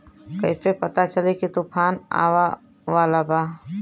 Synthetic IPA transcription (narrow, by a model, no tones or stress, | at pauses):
kəɪpepət̪at͡ʃəlekit̪upʰaːna̰ːʋa | ʋaːlabaː